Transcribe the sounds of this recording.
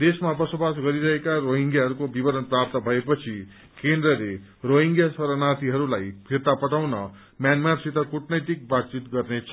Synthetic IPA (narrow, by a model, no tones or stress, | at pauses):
d̪esmabʌsobasɡʌɾiɾʌɦekaɾoɦiŋɡjaɦʌɾukobibʌɾʌnprap̚t̪ʌbʱʌepʌt͡sʰi | kend̪ɾʌle | roɦiŋɡjasʌɾʌnat̪ʰiɦʌɾulajpʰirt̪apʌʈ̪awnʌ | mjanmarsit̪ʌkuʈnʌjt̪ik̚bat̪̚t͡sit̪ɡʌrnet͡sʰʌ